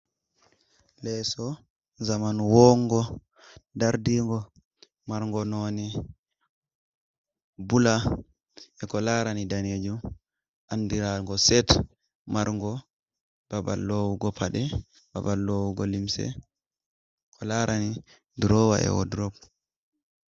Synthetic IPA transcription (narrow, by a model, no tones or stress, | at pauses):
lɛsɔ | zamanwɔŋɡɔ | daɾdiŋɡɔ | maɾŋɡɔnoni | bula | ɛkɔlaɾanidaned͡ʒum | ʔandiɾalŋɡɔsɛt | maɾŋɡɔ | b̥aba̰lːowuɡɔpʰaɗɛ | ba̰balːowuɡɔlimsɛ̰ | kʰɔlaɾʔani | dɾɔwa̰ʔɛ̰wɔ̰dɾɔb